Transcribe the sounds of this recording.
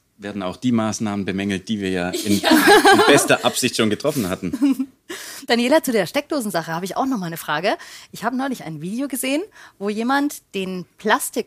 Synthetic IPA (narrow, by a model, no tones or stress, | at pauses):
veːɐdn̩aʊxd̥iːmaːsnaːmənbəmɛŋl̩t̚d̥iːviːɐjaːɪnbɛstɐʔapz̥ɪçtʃoːnɡətʁ̥ɔfn̩hatn̩ | d̥anjeːlat͡sudeːɐʃtɛk̚d̥oːzn̩zaχəhaːbəɪça̰ʊxnɔχmaːlnəfʁ̥aːɡəʔɪçhaːbənɔʏlɪça̰ɪnviːdeoɡəzeːənvoːjeːmantd̥eːnpʰl̥astɪ